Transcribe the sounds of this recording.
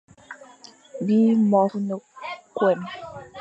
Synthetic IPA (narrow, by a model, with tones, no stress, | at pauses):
bi˦mɔ˨fnə˨kwɛ˨n